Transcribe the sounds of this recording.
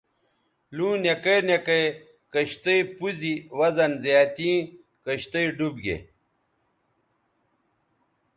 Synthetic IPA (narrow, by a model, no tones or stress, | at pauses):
lũːnjekɐnekɐj | kɐɕt̪ɐpuziwɐzɐnzjaːt̪ĩː | kɐɕt̪ɐiɖubɡḛ